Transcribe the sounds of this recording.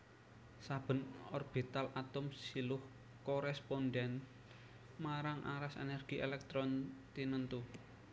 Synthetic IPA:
sab̥ə̤nɔrb̥it̪alʔat̪ʊmsilʊh | kɔɾɛsponɖɛn | maɾaŋʔa̰ɾasḛnɛrɡ̥i̤ʔelɛk̚t̪ɾɔnt̪inənt̪u

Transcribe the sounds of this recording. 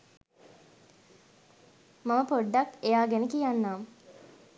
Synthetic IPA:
maməpoɖːakejaːɡenəkijanːaːm

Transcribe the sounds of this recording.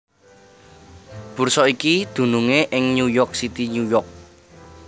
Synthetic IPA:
b̥ṳrsɔikid̪̥ṳnuŋeʔɪŋɲujɔrk̚sit̪iɲujɔrk̚

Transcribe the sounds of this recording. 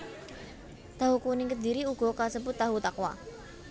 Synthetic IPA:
t̪aɦukunɪŋkəd̪iɾiuɡ̥ɔ̤kasəbʊt̪̚ːaɦut̪akwa̰

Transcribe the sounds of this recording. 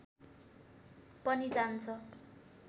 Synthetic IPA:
pʌnid͡zant͡sʰʌ

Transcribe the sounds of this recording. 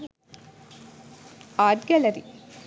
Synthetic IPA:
aːʈɡɛlɐɾi

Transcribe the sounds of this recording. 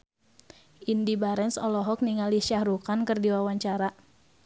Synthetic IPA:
ʔindibaɾɛnsɔ̰lɔɦɔk̚niŋaliʃahɾukankɨrdiwawaɲt͡ʃaɾa

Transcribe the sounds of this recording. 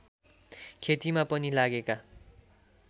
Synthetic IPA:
kʰet̪imapʌnilaɡeka

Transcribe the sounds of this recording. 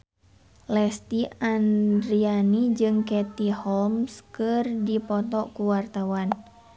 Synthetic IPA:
lɛst̪iandɾianid͡ʒɨŋkɛt̪ihɔlmskɨrdipɔt̪ɔʔkuwart̪awan

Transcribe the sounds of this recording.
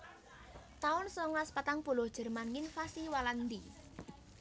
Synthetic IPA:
t̪aʊnsɔŋlaspat̪aŋpulʊhd̥ʒ̥ə̤rmanŋɪnfasiwaland̪i

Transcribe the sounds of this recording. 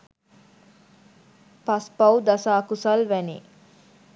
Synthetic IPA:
pɐspɐwd̪ɐsaːkusɐlʋænḭː

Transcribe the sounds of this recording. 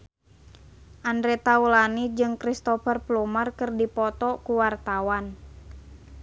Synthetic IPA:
ʔandɾɛt̪aulanid͡ʒɨŋkɾist̪ɔfərplumarkɨrdipɔt̪ɔkuwart̪awan

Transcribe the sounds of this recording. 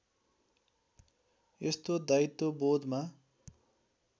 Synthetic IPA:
est̪od̪ait̪ːobod̪ʱma

